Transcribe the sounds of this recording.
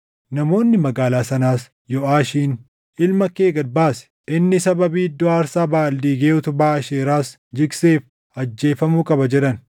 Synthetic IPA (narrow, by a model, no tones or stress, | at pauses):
nɐmo̞ːnːɪmɐɡaːlaːsɐnaːs | jɔaːʃiːn | ʔɪlmɐkeːɡɐdbaːsɛ̥ | ʔɪnːɪsɐbɐbiːd̪ːɔaːɾsaːbaːld̪iːɡeːʊt̪ʊbaːɐʃeːɾaːs | d͡ʒɪkse̞ːf | ɐd͡ʒːe̞ːfɐmuːkʼɐbɐd͡ʒɛᶑɐn